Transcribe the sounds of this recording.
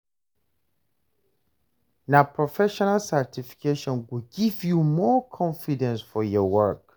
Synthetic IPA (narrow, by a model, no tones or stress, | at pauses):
napʰɹɔfɛʃɔnalsatifi̥kʰeʃɔ̃nwiɡivjumɔkʰɔ̃nfidɛ̃nsfɔjɔwɜk